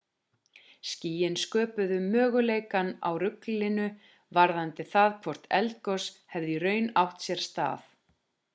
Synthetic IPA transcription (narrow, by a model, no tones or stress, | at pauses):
sciːjɪnskœːpʏðʏmœːɣʏlejkana̰wrʏklɪnʏ | vaɾðant̪ɪθaðkʰvɔr̥t̪ɛ̰lt̪̚kɔshɛvðɪrœːɥnawht̪sjɛɾ̥st̪a̰ːθ